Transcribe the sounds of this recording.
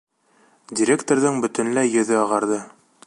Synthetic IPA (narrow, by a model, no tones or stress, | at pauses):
dʲiɾʲekt̪oɾðɤŋbɵ̆t̪ɵ̆nlæjɵ̆ðɵɑʁɑɾðɤ